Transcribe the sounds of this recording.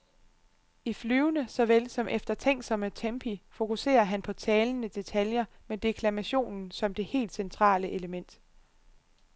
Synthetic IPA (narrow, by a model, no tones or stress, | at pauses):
iflyːʊnəsɒ̽ʋelsɒ̽mʔefd̥ɐt͡sʰeŋ̰ɡ̥sɒ̽mət͡sʰempʰifo̝kuse̝̰ːɐɦænpʰɒ̽t͡sʰɛːlnəd̥e̝t͡sʰæljɐmed̥e̝kʰlæmæɕo̝̰ːnn̩sɒ̽md̥e̝he̝̰ːld̥sent͡sʰʁɑ̰̈ːləʔe̝ləmen̰d̥